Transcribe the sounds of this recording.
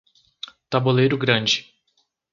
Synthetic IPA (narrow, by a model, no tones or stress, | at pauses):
t̪abolejɾʊɡɾɐ̃d͡ʒɪ